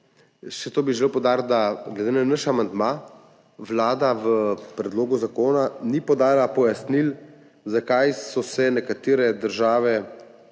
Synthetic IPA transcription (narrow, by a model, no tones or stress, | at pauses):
ʃɛt̪oːbiʒelewpowd̪aːɾt̪d̪aɡlɛd̪eːnanəʃamand̪ma | ʋlaːd̪aʋəpɾɛd̪loːɡuzakoːnanipɔd̪aːlapɔjasnil | zakajsɔsɛnɛkat̪eːɾɛd̪əɾʒaːʋɛ